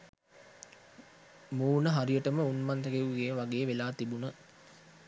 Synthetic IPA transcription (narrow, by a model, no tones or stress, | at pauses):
muːnəɦaɾijəʈəməunmand̪əɡeʋuɡeːʋaɡeːʋelaːt̪ibunə